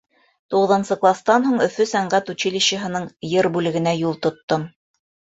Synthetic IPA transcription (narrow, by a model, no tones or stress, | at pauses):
t̪uʁɤ̆ðɤ̆nsɤqlˠɑst̪ɑnɦuɴɵ̆fɵsæɴɢæt̪ut͡ɕilʲiɕə̆ɦɤ̆nɤɴjɤɾbʉlɘ̆ɡɘ̆næjulˠt̪ŏt̪ːom